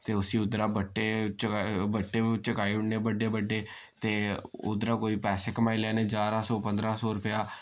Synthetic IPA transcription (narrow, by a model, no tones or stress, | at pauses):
t̪eːʊsĩːʊd̪ɾaːbəʈːeːt͡ʃəabəʈːeːt͡ʃəkaːiʊɽneːbəɖeːbəɖeː | t̪eːʊ̰d̪ɾaːkoːiːpɛːseːkəmaːilɛːneːd͡ʒaːɾaːsɔːpənd̪ɾaːsɔːɾʊpɪjaː